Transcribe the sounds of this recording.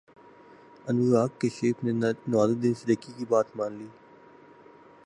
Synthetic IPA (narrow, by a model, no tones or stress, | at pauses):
ənuːɾaːkːeʃeːpʰneːnaːd̪əd̪ɪnsɪɾəkːiːkiːbaːt̪mãːnliː